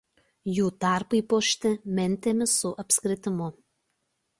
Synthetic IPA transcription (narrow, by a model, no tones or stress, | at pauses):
juːt̪ɑˑɾpɐipoːʃʲt̪ʲɪmʲɛnʲˑt̪ʲeːmʲɪsʊʔɐpʲsʲkɾʲɪt̪ʲɪmʊ